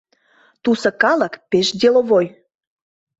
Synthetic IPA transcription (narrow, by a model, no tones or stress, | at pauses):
t̪usə̆kɑlə̆kpeʃd̪ʲeloβoj